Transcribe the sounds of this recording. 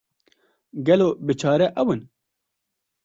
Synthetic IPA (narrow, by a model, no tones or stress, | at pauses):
ɡɛloːbɨt͡ʃʰɑːɾɛʔɛwɨn